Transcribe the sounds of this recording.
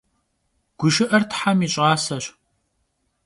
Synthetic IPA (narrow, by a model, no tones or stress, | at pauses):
ɡ̥ʷʊʃɪʔɐrtħamiɕʼɑːsɐɕ